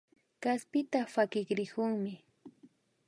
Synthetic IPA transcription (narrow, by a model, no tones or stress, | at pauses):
kaspɪt̪afakɪkɾɪkʊŋmɪ